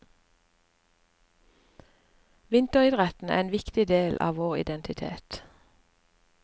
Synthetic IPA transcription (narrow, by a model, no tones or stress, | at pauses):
ʋɪnt̪əʁɪd̪ʁɛt̪n̩æ̰ːeːnʋɪkt̪ɪd̪eːlʔɑ̰ːʋoːʁɪ̰d̪ɛnt̪ʰɪt̪ʰḛːt̪